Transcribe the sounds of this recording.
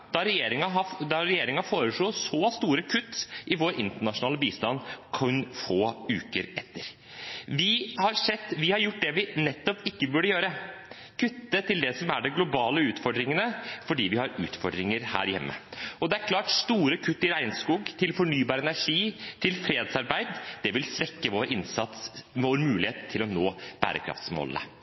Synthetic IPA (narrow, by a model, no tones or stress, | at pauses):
d̪̥ɑɾɛjeːɾɪŋɑɑd̪ɑɾɛjeːɾɪŋɑfoːɾəʂɭɔːsoːst̪uːɾəkʰʉt̪ːʔɪʋoːɾʔɪnt̪əɳɑʂʊnɑːləbiːst̪ɑnːkʰɔnfoːʉːkəɾɛt̪ːəɾ | ʋɪhɑɾʂɛt̪ːʋɪhɑɾjʊʈ̚ːd̪ɛʋɪnɛt̪ːɔpɪkːəbʉɖəjøːɾə | kʰʉt̪ːət̪ʰɪld̪ɛsɔmæ̰ɖɛɡlʊbɑːləʉːt̪fɔɖ̪ɾɪŋənəfɔɖiːʋɪhɑɾʉ̰ːt̪fɔɖɾɪŋəɾhæ̰ːɾjɛ̰mːə̰ɔd̪ɛæɾkʰlɑːʈst̪uːɾəkʰʉt̪ːɪɾæɪnskuːɡt̪ʰɪlfɔɳyːbɑːɾəɛnæʂiːt̪ʰɪlfɾeːd̪sɑɾbæɪd̪d̪̥ɛʋɪlsɾɛkːəʋoːɾɪnsɑt̪sʋoːənmʉːlɪheːt̪ʰːɪlɔnoːb̥æ̰ːɾə̰kʰɾɑ̰ft̪smɔ̰lnə̰